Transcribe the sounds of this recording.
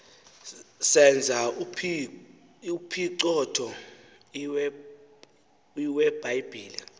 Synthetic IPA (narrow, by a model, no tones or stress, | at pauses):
sɛnd͡zʱaupʰi | upʰiǀɔtʰɔ | iwɛb̥ajb̥ʱiːli